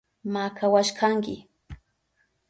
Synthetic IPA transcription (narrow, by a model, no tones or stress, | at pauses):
makʰawaʃkʰaŋkɪ̰